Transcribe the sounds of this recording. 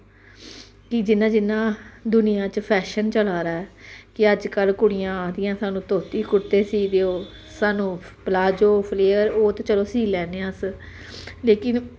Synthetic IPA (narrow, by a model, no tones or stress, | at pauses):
kɪd͡ʒɪnːãːd͡ʒɪnːãːd̪ʊnɪjãːt͡ʃəpʰɛːʃənt͡ʃəlaːɾaːɛːkɪəd͡ʒkəlkʊɽɪjãːaːd̪ɪjãːsaːnũːt̪oːt̪iːkʊt̪eːsiːd̪eːoː | saːnũː | plaːd͡ʒoːpʰleːəɾoːt̪ːt͡ʃəloːsiːlɛːneːãs | leːkɪn